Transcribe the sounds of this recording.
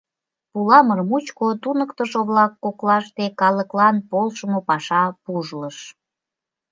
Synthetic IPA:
pulɑmərmut͡ɕkot̪unəkt̪əʃoβlɑkːoklɑʃt̪ekɑləklɑnpolʃəmopɑʃɑpuʒləʃ

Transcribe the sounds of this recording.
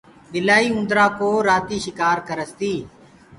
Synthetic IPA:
ɗɪlaːiːʊ̃nd̪ɾaːkoːɾaːt̪iːʃɪkaːɾkəɾəst̪iː

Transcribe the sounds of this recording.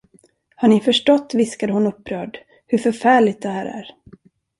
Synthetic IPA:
haɳɪfœʂʈɔt̪ːvɪskad̪əhʊnɵpːɾœːɖ | hɵɾfœɾfæːɭɪt̪̚d̪ɛɦæːɾæ̰ɾ

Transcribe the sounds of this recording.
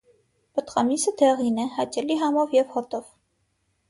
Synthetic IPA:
pət̪ʁɑmisəd̪ʰɛʁinɛhɑt͡ʃɛliɦɑmɔvjɛvhɔt̪ɔv

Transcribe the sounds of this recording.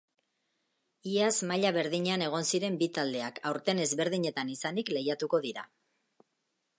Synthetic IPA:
iazmaʎaβe̞ɾðiɲeane̞ɣ̞o̞nsiɾe̞mbit̪ald̪e̞akawɾt̪e̞ne̞zβe̞ɾðiɲe̞t̪anisanikle̞jat̪uko̞ðiɾa̰

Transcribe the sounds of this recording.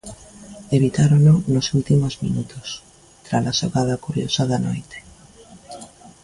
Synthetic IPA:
eβit̪aɾononosult̪imozmḭnut̪os | t̪ɾalasoɣaðɐkuɾjo̰saðano̰jt̪e̥

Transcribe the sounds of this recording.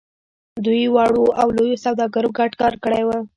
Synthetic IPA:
d̪ujwɑɽoʔawlojosawd̪ɑɡaɾoɡaʈkɑɾkəɽajwə

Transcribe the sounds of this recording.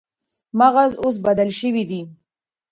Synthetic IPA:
maɣazos̬bad̪alʃəwid̪i

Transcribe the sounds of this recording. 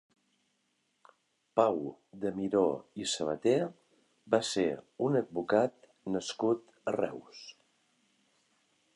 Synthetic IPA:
pawd̪əmiɾoisəβ̞ə̰t̪e | baseunəd̪̚bukat̪̚ | nəskut̪ | ərɛ̰ws

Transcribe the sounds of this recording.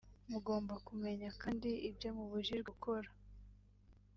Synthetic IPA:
muɡo̞ːmbakume̞ɲakaːndiibɟo̞muβuʒiɾɡukʰo̞ɾa

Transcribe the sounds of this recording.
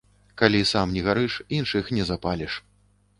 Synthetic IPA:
kalʲisamnʲɛɣaɾɨʂinʂɨxnʲɛzapalʲɛʂ

